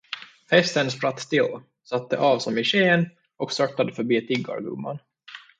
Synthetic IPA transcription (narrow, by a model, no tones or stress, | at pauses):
hɛst̪ənspɾat̪ːt̪ɪlː | sat̪̚ːəʔɑːvsɔmɪɕeːn | ʔɔksœt̪ːad̪əfœɾbiːt̪ʰɪɡːɑ̰ɾɡɵ̰mːa̰n